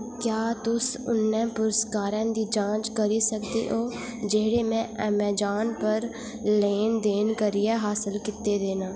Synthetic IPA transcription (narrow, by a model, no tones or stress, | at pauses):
kjaːt̪ʊsʊ̰nːɛ̃ːpʊɾəskaːɾɛ̃ːnd̪iːd͡ʒãːt͡ʃkəɾisəkd̪ḛʔoːd͡ʒeɦɽeːmɛ̃ɛmɛːd͡ʒaːnpəɾ | leːnd̪eːnkəɾiɛɦaːsəlkɪt̪ːed̪eːnaː